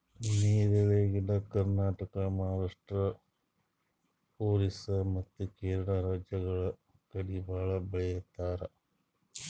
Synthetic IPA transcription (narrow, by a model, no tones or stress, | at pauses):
niːɾeʋeːɡiɽɐkɐɾnaːʈɐkɐmɐɦaːɾaːʂʈɾɐ | oːɾisɐmɐt̪ːukeːɾɐɳɐɾaːd͡ʒjɐɡɐɭɐ | kɐɽibaːɭɐbɐɭɛjɐt̪ːaːɾɐ̰